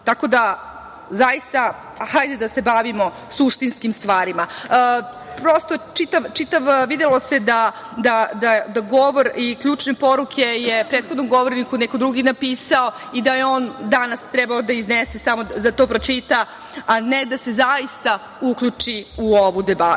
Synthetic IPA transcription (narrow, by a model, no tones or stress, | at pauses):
t̪ako̞d̪a | zaist̪a | xajd̪ed̪asebaʋimo̞ | suʂt̪inskimst̪ʋaːɾima | pɾost̪o̞t͡ʃit̪aʋt͡ʃit̪aʋʋid̪elo̞se̞d̪a | d̪ad̪ad̪aɡo̞ʋoɾikʎuːt͡ʂne̞po̞ɾukʰe̞jepɾet̪xod̪nomɡo̞ʋoɾnikunɛkod̪ɾuɡinapiːsao̞ | id̪ajeo̞ːnd̪anast̪ɾɛbaod̪aiznesesamo̞zat̪o̞ːpɾo̞t͡ʂit̪a | aned̪ase̞zaist̪a | ukʎʲut͡ʂiuoʋud̪eba